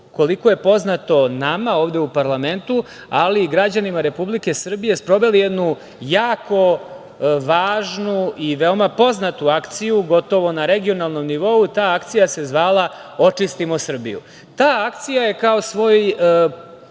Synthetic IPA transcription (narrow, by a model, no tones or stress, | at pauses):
ko̞liko̞je̞po̞znat̪o̞namao̞ːʋd̪eupaɾlame̞nt̪u | aliːɡɾad͡ʑanimaɾe̞publike̞sr̩bije̞spɾo̞belijed̪nu | jaːko̞ | ʋaːʒnuiʋeo̞mapo̞znat̪uakt̪sijuɡo̞t̪o̞ʋo̞naɾe̞ɡio̞nalˠno̞mniʋo̞ut̪aːakt̪sijase̞zʋaːlˠa | o̞t͡ʂist̪imo̞sr̩bḭjṵ | t̪aːak̚t̪sijaje̞kao̞sʋo̞ːj